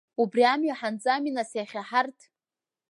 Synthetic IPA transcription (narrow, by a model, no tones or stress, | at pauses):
ubriamɥaħand͡zʼaminasaχʲaħartʰ